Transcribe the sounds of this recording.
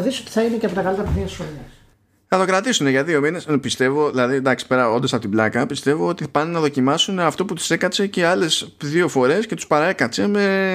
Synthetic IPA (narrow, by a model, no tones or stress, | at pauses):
ðisiot̪i̥θɐine̞ceɐpo̞t̪ɐkɐlit̪ɐp̪eθiɐsols | θɐt̪o̞kɾɐt̪isune̞ʝɐðio̞mine̞spist̪e̞vo̞ðilɐðid̪ɐksi̥pe̞ɾɐo̞nd̪oɐpo̞t̪iblɐkɐpist̪e̞vo̞ot̪ipɐnenɐðo̞cimɐsuneɐft̪o̞put̪u̥se̞kɐse̞ce̞ɐle̞sðio̞fo̞ɾe̞sce̞t̪u̥spɐɾɐe̞kɐt͡se̞me̞